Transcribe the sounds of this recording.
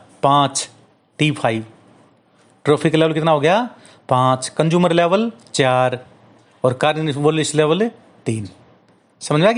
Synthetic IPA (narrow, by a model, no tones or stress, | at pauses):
pãːt͡ʃ | ʈiːpʰaːiː | ʈɾoːpʰɪkleːʋəlkɪt̪naɦoːɡɐjaː | pãːt͡ʃkə̃nd͡ʒuːməɾleːʋəlt͡ʃaːɾ | ɔːɾkaːɾninʋoɾlɪʃleːʋəl | t̪iːn | sɐməd͡ʒa